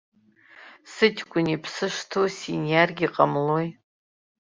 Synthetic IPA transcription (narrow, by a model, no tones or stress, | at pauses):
sɨtʲʰkʷʼʊnipʰsɨʂtʰosinjarɡʲiqʼamloj